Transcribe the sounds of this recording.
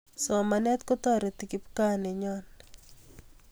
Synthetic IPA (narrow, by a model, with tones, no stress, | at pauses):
sɔ˨ma˨nɛ˦t̪kɔ˦t̪ɔ˦ɾɔ˨t̪i˨ki˦pka˦ne˨ɲɔ˦n